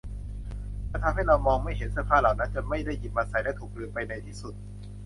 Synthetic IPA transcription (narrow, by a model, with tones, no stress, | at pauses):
aː˥˧˩t̪ʰa˧mhɦa˥˩jɾa˧wmɔː˧ŋma˥˩jɦe˩˦nsɯː˧˩pʰaː˥˩laː˨˩wna˦˥nt͡ɕa˨˩ma˥˩jda˥˩ji˨˩pʔaː˧˩sa˨˩jlɛ˦˥t̪ʰuː˨˩k̚ɾɯ˧əpa˧jna˧jt̪ʰiː˥˩su˨˩t̪̚